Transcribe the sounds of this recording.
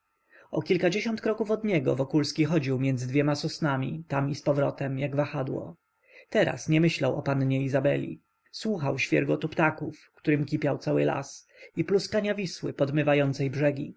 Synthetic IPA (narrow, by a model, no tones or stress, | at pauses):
ɔkʲilkad͡ʑeɕɔnt̪kɾɔkufɔd̪ɲɛɡɔ̰vɔkulskʲixɔd͡ʑiwmʲjɛnd̪zɘd̪vʲjɛmasɔsnamʲḭt̪amispɔvɾɔt̪ɛmjaɡvaxad̪wɔ̰ | t̪ɛɾa̰sɲɛmɘɕlawʔɔpanɲɛizabɛ̰lʲḭ | swuxawɕfʲjɛ̰ɾɡɔt̪upt̪akufkt̪uɾɘmkʲipʲjawt̪sawɘla̰s | ipluskaɲavʲiswɘ̰pɔd̪mɘvajɔnt̪sɛjbʐɛɡʲi